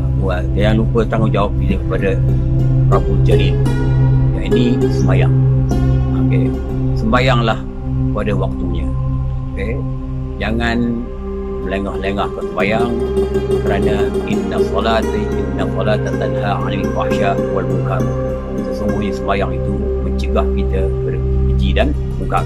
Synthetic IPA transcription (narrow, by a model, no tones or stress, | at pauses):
wad͡ʒajaŋlupət̪aŋud͡ʒawap̚iləkəpada | rabuld͡ʒaɾid̚ | ja̰ʔinisəmbajaŋ | ake | səmbajaŋlah | padawak̚t̪uɲaoke | d͡ʒaŋan | məleŋahləŋahkəsəmbajaŋkəɾanaʔinːasɔlat̪innasɔlat̪at̪anɦaa̰libaʔʃawalbukar | səsuŋɡuhɲasəmbajaŋit̪u | məɲt͡ʃəɡahkit̪abərid͡ʒidan | buka